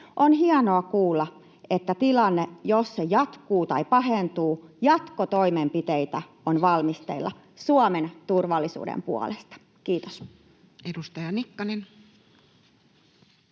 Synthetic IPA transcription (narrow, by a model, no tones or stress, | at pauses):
ʔonhiɑnoɑkuːlːɑ | et̪ːæt̪ilɑnːejosːejɑt̪kuːt̪ɑipɑɦent̪uːjɑt̪kot̪oimempit̪eit̪æ | onʋɑlmist̪ḛlːɑ̰ | suɑment̪urʋɑlːisṵːdḛmpuɑ̰lest̪ɑ̥ | kiːt̪os | edust̪ɑjɑnikːɑnen